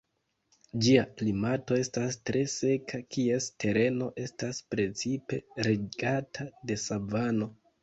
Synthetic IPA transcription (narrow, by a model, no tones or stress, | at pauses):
d͡ʒiaklimato̞e̞stastɾe̞se̞kakie̞ste̞ɾe̞no̞ʔe̞staspɾe̞t͡sipe̞ɾeɡatʰade̞savano̞